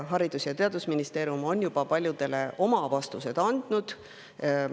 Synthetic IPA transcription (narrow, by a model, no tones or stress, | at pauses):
ɦɑɾid̪̥usjɑt̪e̞ɑd̪̥usminist̪e̞ːɾjumo̞njub̥ɑpɑlʲjud̪̥e̞le̞ʔo̞mɑvɑst̪use̞d̪ɑnd̪̥nud̪̥